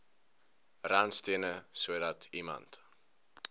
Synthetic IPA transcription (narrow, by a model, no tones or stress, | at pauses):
raːnstiənəsuədɐtʰimɐ̰nt